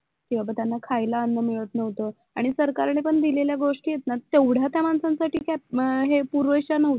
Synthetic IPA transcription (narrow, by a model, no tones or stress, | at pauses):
kĩw̃ʋabət̪janːakʰajlaːnːəmiɭət̪nəʋt̪ə | aɽ̃isəɾkaɾnepəɳd̪ileljaɡoʂʈiːjet̪nat̪ewɽ̤jat̪jamansãnsaʈʰiːkaɦepuɾʋəɕanəʋt̪